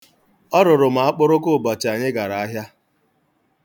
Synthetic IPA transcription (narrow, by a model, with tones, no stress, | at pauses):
ɔ˦ɾʊ˨ɾʊ˨m̩a˨a˦k͡pʊ˦ɾʊ˦kʊ˦˨ba˨t͡ʃa˨ɲɪ˦ɡa˨ɾa˨a˦ɦja˦